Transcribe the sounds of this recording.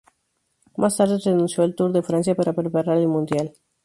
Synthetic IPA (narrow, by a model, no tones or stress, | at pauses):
mast̪aɾt̪ət̪enunselt̪urd̪efɾant̪sijapeɾapɾepaɾaɾelmũnd̪ial